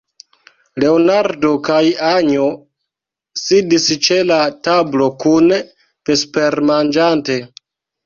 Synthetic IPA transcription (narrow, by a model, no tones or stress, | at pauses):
le̞onaɾdo̞kajaɲo | sidist͡ʃe̞latablo̞kun | pespeɾmand͡ʒante̞